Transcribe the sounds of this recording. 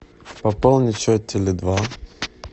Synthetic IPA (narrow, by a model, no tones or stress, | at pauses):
pɐpolˠnʲɪt͡ʃot̪ʲʰːɪlʲɪd̪va